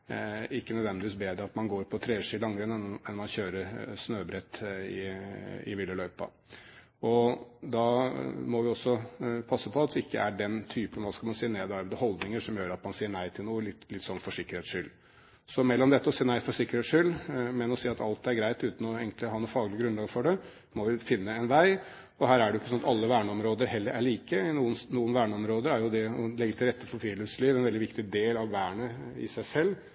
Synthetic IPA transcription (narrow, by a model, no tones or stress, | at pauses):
ɪkːənœd̪ʋɛnd̪ɪʋiːsbeːd̪ɾəɑt̪mɑnɡoːɾpʰɔt̪ʰɾeːʂiːlɑŋːəɾəɛnɛɛnmɑnçøːɾəɾʂnøːbɾɛt̪ːɪɪ̰ʋɪlːəlœʏpɑ̰ | ɔd̪ɑmɔʋɪɔsːɔpʰɑsːəpʰɔɑt̪ʋɪɪkːə̰æɖɛnt̪ʰyːpənʋɑːskɑlmɑnsiːəneːd̪ɑɾd̪əhɔld̪nɪŋəʂɔmjøːɾɑt̪mɑnsiːəɳæɪt̪ʰɪlnuːəlɪt̪ːlɪt̪sɔnːfɔʂɪkːəɾheːt̪sʂʏlː | sɔmɛlːɔmd̪ɛt̪ːəɔsiːənæɪfɔʂɪkːəɾeːt̪sʂʏlːmɛnɔsiːɑt̪ɑlt̪æɾɡɾæɪt̪ʉːt̪n̩ɔeːɡənlɪhɑːnuːfɑːɡlɪɡɾʉnlɑːɡfɔɖɛ | mɔʋɪfɪnːəɛnʋæɪ | ɔhæːɾæɖɛjʊɪkːəsɔnɑt̪ɑlːəʋæːɳəɔmɾoːd̪əɾhɛlːəɾæɭiːkənuːənnuːənʋæːɳəɔmɾoːd̪əɾæɾjʊd̪ɛɔlɛɡəɪt̪ʰːɪɾɛt̪ːəfɔɾfiːləsliːʋɛnʋɛld̪ɪʋɪkt̪ɪd̪eːlɑʋʋæːəɳəɪ̰sæɪsɛlː